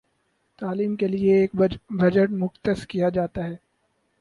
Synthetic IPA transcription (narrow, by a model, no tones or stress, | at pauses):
t̪aːliːmkelieːk̚bɐd͡ʒəʈmʊxt̪əskijad͡ʒaːt̪aɦɛː